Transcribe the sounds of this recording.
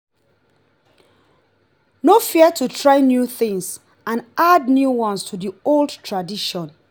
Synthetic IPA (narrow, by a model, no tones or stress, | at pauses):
nofiətʰutʰɹaɪnjuθɪ̃ŋs | ãnadnjuwɔ̃nstʰuðiolˠdtʰɹadiʃɔ̃n